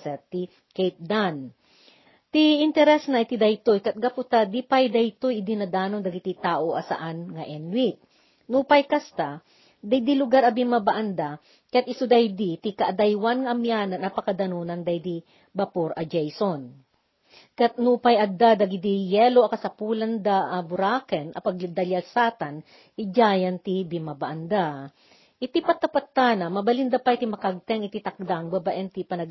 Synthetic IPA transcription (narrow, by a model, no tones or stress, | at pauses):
sɛt̪ːɪ | kɛjt̪̚d̪an | t̪iɪnt̪ɛɾɛsnɐʔjt̪ɪd̪ɐjt̪ojkɐt̪̚ɡapʊt̪ad̪ipajd̪ɐjt̪ojɪd̪ɪnɐd̪aːnoŋd̪ɐɡɪt̪it̪aːʔoʔɐsa̰ʔanŋɐʔɛnwit̪̚ | nupajkast̪a | d̪ɐjd̪ilʊɡaɾɐbɪnmɐbaʔand̪a | kat̪̚ɪsʊd̪ajd̪it̪ɪkaʔɐd̪ajwanŋɐʔɐmjanɐnɐpɐkɐd̪ɐnonɐŋd̪ɐjd̪i | bɐpoɾɐd͡ʒɛjson | kat̪̚nupajʔɐd̪ad̪ɐɡid̪ijɛloʔɐkɐsɐpuːlɐnd̪aʔɐbʊɾaːkɛnʔɐ̰pɐɡd̪ɐlasaːt̪an | ʔɪd͡ʒaːjɐnt̪ibɪmabɐʔɐnd̪a | ʔɪt̪ipɐt̪ːɐpɐt̪ːanɐmɐbɐlɪnd̪ɐpajt̪ɪmɐkɐɡ̚t̪ɛŋɪt̪it̪ɐk̚d̪aŋbɐbaʔɛnt̪ipɐnɐɡ